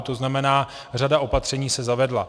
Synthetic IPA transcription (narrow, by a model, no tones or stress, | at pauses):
t̪o̞znamɛnaː | r̝adao̞pat̪r̝̥ɛɲiːsɛzavɛdla